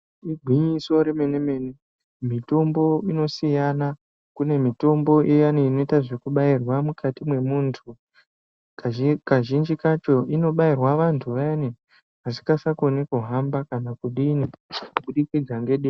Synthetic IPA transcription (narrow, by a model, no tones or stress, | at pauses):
iɡʱwiɲiso̞ɾeme̞neme̞ne | mito̞mbo̞ino̞sijana | kune̞mito̞mbo̞ʔejaneino̞itaʐe̞kuɓairwamukatimwe̞muːntʰu | kaʒind͡ʒikat͡ʃo̞ʔino̞ɓairwaʋantʰuʋaani | ɦasi̥kasakonekuɦambakanakuɗiniuɓuɗikid͡zaŋɡe̞ɗin